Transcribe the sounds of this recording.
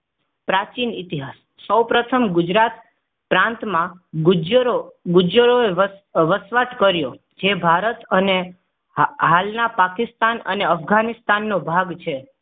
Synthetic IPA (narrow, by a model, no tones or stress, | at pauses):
pɾat͡ʃinit̪iɦasːəwpɾət̪ʰəmɡʊd͡ʒɾat̪ | pɾãnt̪mãɡd͡ʒɾoɡʊd͡ʒəɾoeʋəsʋaʈkəɾjo | d͡ʒebʱaɾət̪əne | ɦalnapakɪst̪anə̰neəfɡanist̪anːobʱaɡt͡ʃʰe